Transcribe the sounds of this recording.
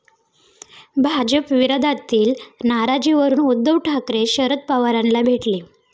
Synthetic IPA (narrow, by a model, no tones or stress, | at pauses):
bʱad͡ʑəpʋiɾəd̪ʱat̪iːlnaɾad͡ʑiʋəɾuːnud̪ːəʋʈʰakɾeɕəɾət̪̚paʋəɾanlabʱeʈli